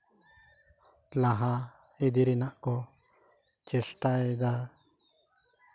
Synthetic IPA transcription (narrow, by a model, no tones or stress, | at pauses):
laɦa | ɛd̪iɾɛnaʔkɔ | t͡ʃɛsʈaɛd̪a